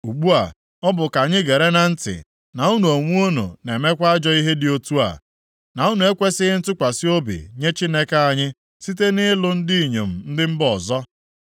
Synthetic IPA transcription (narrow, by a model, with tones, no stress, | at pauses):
u˨ɡ͡bu˦a̰˨ | ɔ˦bʊ˨ka˨ɲɪ˦ɡe˨ɾe˦na˨n̩˦tɪ̰˨ | na˨u˦nu˨o˨ŋʷu˦o˦nṵ˨ne˨me˦kʷa˦a˦d͡ʒɔ˦i˦ɦe˦dɪ˨o˦tu˦a̰˨ | na˨u˦nu˨e˦kʷe˦sɪ˦ɣɪ˦n̩˦tʊ˦kʷa˨sɪ˦o˦bḭ˨ɲe˦t͡ʃi˦ne˦ka˦a˨ɲɪ˦ | si˦t̬e˦nɪ˦lʊ˦n̩˦di˦˨ɲḛ˨m̩˨n̩˦dɪ˦m̩˦bɔ˨zɔ˦